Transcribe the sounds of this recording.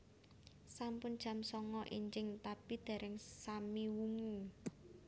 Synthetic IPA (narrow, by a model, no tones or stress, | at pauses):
sampʊnd̥ʒ̥a̤msɔŋɔʔiɲd͡ʒɪŋt̪apid̪̥a̤ɾɛŋsamiwuŋi